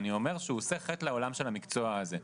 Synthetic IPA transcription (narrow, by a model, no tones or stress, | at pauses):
nio̞me̞ʁʃeuoseχetleo̞lamʃe̞lamikt͡so̞aːze